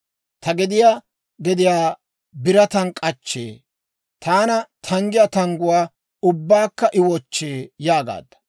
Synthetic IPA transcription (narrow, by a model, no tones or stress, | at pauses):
t̪ɐɡɛd̪ɪjaː | ɡɛd̪ɪjaː | bɪɾɐt̪ɐnkʼɐt͡ʃːḛː | t̪ʰaːnɐt̪ʰɐŋɡɪjɐt̪ɐŋɡʊwaː | ʊbːaːkːɐʔɪwɔt͡ʃːeːjaːɡa̰ːd̪ːɐ̥